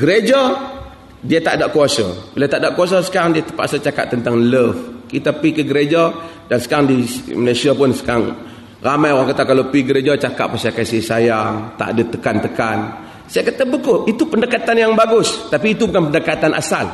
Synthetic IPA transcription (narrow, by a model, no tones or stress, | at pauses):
ɡəɾed͡ʒa | diat̪a̰ʔdaʔkuasa̰bilat̪aʔdaʔkuas̬asə̥kaɾaŋdiat̪əpa̰ʔsat͡ʃaka̰ʔt̪ːənt̪aŋləfkit̪apikəɡəɾed͡ʒadansə̥kaɾaŋdiməlasiapʊnsə̥kaɾaŋ | ramajoɾaŋkat̪akalopiɡəɾed͡ʒat͡ʃaka̰ʔpasakasihsajaŋt̪a̰ʔa̰dat̪əkant̪əkan | sajakat̪abəkʊʔit̪upəndəkat̪anjaŋbaɡʊst̪apiːt̪ubukanpəndəkat̪anʔa̰sal